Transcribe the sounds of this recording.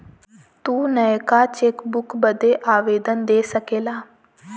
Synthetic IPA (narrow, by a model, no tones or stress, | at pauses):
t̪uːnəkaːt͡ʃeːkbʊkbəd̪eːʔaːʋeːd̪ənd̪eːsəkeːlaː